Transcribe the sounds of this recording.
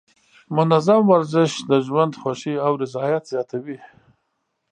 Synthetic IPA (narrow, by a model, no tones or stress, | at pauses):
mʊnazamwaɾzɪʃd̪əʒwand̪xwaʃiawɾɪzɑjat̪zjɑt̪ʰawi